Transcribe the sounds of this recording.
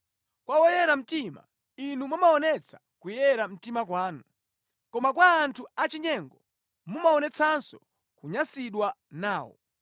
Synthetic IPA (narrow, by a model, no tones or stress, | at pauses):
kwawɔjɛɾam̩tima̰ | inumamaɔnɛt͡sʰḁ | kujɛɾam̩timakwaːnu | kɔmakwaːntʰuat͡ʃiɲɛŋɡɔ | mumaɔnɛt͡sʰansɔ | kuɲasiɗwanaːwɔ̰